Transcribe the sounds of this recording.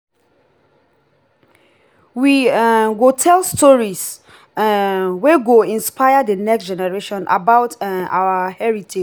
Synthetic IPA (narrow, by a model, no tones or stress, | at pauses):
wiwotʰɛlstʰɔɹis | wɛɡoĩnspʰaɪadənɛksd͡ʒɛnɛɹeʃɔ̃nʔa̰baʊtawəhɛɹitʰe